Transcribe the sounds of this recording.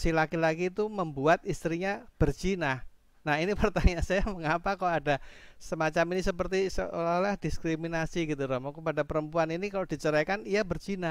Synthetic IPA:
silakilakiːt̪uməmbuat̪ist̪ɾiɲab̥ərt͡ʃina | nahinipərt̪aɲasajaməŋapakaoadasəmat͡ʃaminisəpərt̪isə̰lalahdiskɾiminasiɡit̪uɾɔmɔkəpadapəɾəmpuaninikaloʔd̥it͡ʃəɾakanijabərt͡ʃina

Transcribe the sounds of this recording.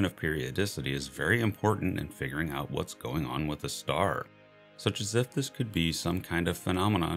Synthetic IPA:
ɨ̃ñʌv̥pʰɪɹiɨdɪsɨɾiɨzvɛɹiɨ̃mpʰɔɹʔn̩tɨ̰̃nfɪɡjə˞ɪ̃ŋaʊʔ̚wʌ̰tsɡ̥oʊɪ̃ŋə̰̃nwəðɨstɑ̰ɹ | sʌt͡ʃɨzɨfðɪskʰɨd̚bisʌ̃mkʰãɪ̃ndʌv̥fənɑmənə̰̃

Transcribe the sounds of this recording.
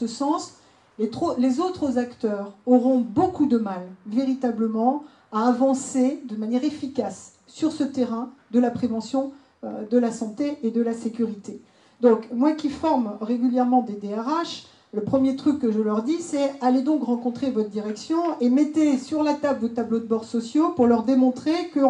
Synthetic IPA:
əsɑ̃s | let̪χolezot̪χəzakt̪œːʁɔʁɔ̃bokud̪əmalveʁit̪abləmɑ̃ | aːvɑ̃sed̪ənmanjɛʁefikasː | yʁsət̪eʁɛ̃d̪əlapχevɑ̃sjɔ̃ | ød̪əlasɑ̃t̪eʔed̪əlasekʲyʁit̪e | d̪ɔ̃kmwakʲifɔʁmʁeɡʲyljɛʁmɑ̃d̪ed̪eɛʁaʃ | ləpχəmjet̪χykːəʒəlœʁd̪isɛaled̪ɔ̃kʁɑ̃kɔ̃t̪χevɔt̪χd̪iʁɛksjɔ̃emɛt̪esyʁlat̪ablvot̪ablod̪əbɔʁsɔsjopuʁlœʁd̪emɔ̃t̪χekə

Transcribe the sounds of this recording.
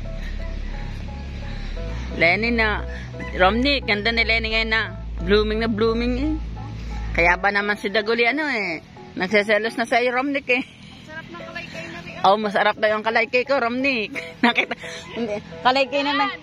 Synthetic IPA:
lɛːnɪna | ɾomnɪk̚ɡɐnd̪anɪlɛːnɪŋɐjonːɐ | bluːmɪŋnɐbluːmɪŋɛ | kɐjaʔbanɐmansɪd̪ɐɡʊlɪʔɐnoɛ | nɐɡsɛs̬ɛlosnɐsajoɾomnɪkɛ | ʔowmɐsɐɾap̚d̪ajoʔɐŋkɐlajkɛjkoɾomnɪknɐkɪt̪a | kɐlajkɪjnɐma

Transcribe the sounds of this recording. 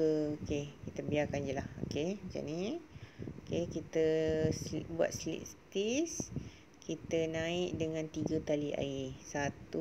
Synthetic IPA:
əokekit̪əbiaɾkand͡ʒəlaho̰ket͡ʃa̰ʔni | okekit̪ə | bua̰t̪̚slḭʔst̪is | kit̪ənãɪkdəŋãnt̪iɡat̪aliʔa̰isat̪u

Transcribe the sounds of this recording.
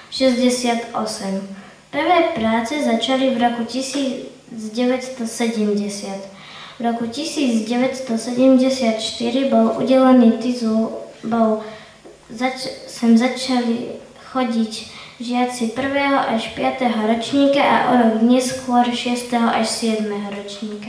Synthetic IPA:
ʃɛzɟɛsɪat̪ʔɔsɛm | pr̩ʋɛːpɾaːt͡sɛzat͡ʃalivɾɔkucisiː | d͡zɟɛʋɛtst̪ɔsɛɟɛmɟɛsɪat̪ | vɾɔkucisiːd͡zɟɛʋɛt̪st̪ɔsɛɟɛmɟɛsɪat̪ʃt̪iɾibɔlʔṵɟɛlɛniːt̪izulbɔl | zasɛmzat͡ʃali | xɔɟicʒɪat͡sipr̩ʋɛːɦɔʔaʃpɪat̪ɛɦɔɾɔt͡ʃɲiːkaʔa̰ʔɔɾɔɡd̪ɲɛskʊɔɾʃɪɛst̪ɛɦɔʔaʃsɪɛd̪mɛɦɔɾɔt͡ʃɲiːka

